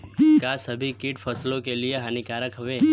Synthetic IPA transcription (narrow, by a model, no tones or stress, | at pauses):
kasəbʱikiʈfʰəslõkelijeɦanikaɾəkɦəʋe